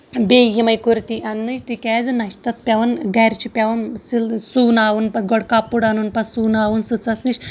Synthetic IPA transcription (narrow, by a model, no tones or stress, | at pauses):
beːjimɐjkuɾt̪iʔɐnːɨt͡ʃʰʲt̪ikʲɛːzɨnɐʃt̪ɐt̪̚ʰpʲɐʋɐnɡɐɾʲt͡ʃʰipʲɐʋɐnsilsuːnaːʋunpɐɡɔɽkapːuɽanunpɐsuːnaːʋunsɨt͡sɐsnɨʃʲ